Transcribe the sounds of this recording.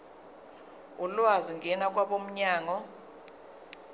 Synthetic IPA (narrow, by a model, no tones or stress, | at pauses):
ulwaziŋɡʱɛnakʼwaɓom̩ɲaːŋɔ